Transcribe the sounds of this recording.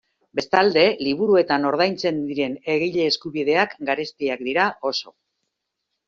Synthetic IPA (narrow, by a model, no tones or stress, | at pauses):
be̞st̪ald̪e̞liβ̞uɾue̞t̪ano̞ɾð̞ajnt͡se̞nd̪iɾe̞ne̞ɣijʎe̞ːskuβið̞e̞akɡaɾe̞st̪iak̚d̪iɾao̞so̞